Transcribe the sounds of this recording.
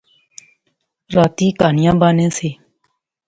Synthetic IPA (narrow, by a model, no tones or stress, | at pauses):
ɾaːt̪iːkaːnɪjãːbaːnẽːseː